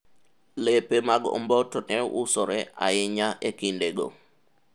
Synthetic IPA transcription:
lepemaɡɔ̰mbɔtɔnɛusɔɾɛa̰ɪɲaʔekindeɡo̰

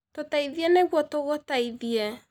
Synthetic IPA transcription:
totaiðiɛneɣwɔtoɣotaiðiɛ

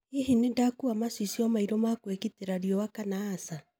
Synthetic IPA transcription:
eɦinendakuamaswisiɔmaiɾɔmakwekiteɾaɾjɔwakanaːsa

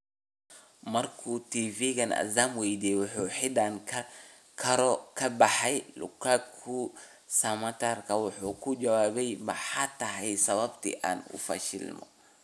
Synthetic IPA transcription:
mɐrkʰut̪ʰiːviɣɐnɐ̰zamwɛjd̪ijɛwʊħuːħɪd̪ɐŋkʰɐ | kʰɐɾɔkʰɐbɑħɛjlʊ̰kʰakʰʊ | sɐmɐt̪ʰarkʰɐwʊħuːkʰʊd͡ʒɐwaːβɛjmɐħaːt̪ʰɐɦɛjsɐβɐbt̪ʰḭʔa̰ːnʊ̰fɐ̰ʃɪ̰lmɔ̰

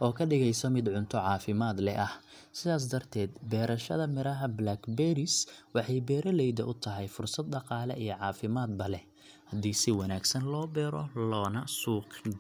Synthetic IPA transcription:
ʔɔːkʰɐɖɪɣɛjsɔmɪd̪ʕʊnt̪ʰɔʕɑːfɪmaːd̪lɛʔɐh | sɪðaːs̬d̪ɐrt̪ʰɛːd̪bɛːɾɐʃɐðɐmɪɾɐɦɐblakbɛɾɪswɑħɑjbɛːɾɐlɛjd̪ɐʔʊt̪ʰɐɦɛjfʊrsɐd̪̚ɖɑqɑːlɛ̰ijɔʕɑːfɪmaːd̪̚bɐlɛ | hɐd̪iːsɪwɑnaːɡsɐnlɔːbɛːɾɔlɔːnɐsuːq

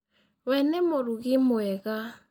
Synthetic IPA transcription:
wɛnɛmoɾuɣimoɛɣa

